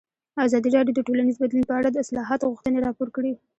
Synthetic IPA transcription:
azɑd̪iɾɑɖjod̪əʈolanizbad̪lunpəaɽad̪əɪslɑɦɑt̪oɣuxt̪əneɾɑpoɾkɽi

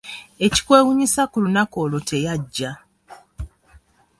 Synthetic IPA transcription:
e̞ci̥kwe̞ːwuɲisakulunako̞ːlo̞tʰe̞jaɟːa

